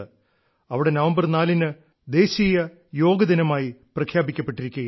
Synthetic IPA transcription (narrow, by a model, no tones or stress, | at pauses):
ɨ | ɐʋiɽe̞nɐʋɐmbɐrnaːlinɨ | d̪e̞ːɕijɐ | jo̞ːɡɐd̪inɐmaːjiprɐkʰjaːbikʲːɐpːe̞ʈːiɾikʲːuɣɐ